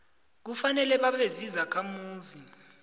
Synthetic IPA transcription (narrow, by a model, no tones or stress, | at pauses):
k̬ufanɛlɛɓaɓezizakʰamuːzi